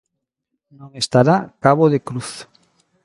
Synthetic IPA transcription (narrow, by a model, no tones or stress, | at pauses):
nõŋest̪aɾakaβoðekɾuθ